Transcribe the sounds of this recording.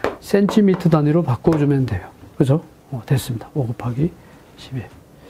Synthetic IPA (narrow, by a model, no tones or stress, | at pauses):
sʰentʰimitʰɯdaniɾopak͈od͡ʑumjʌnde̞jokɯd͡ʑo | ʌtwes͈ɯmɲid̥ḁoɡɯpʰaɡi | ɕʰibe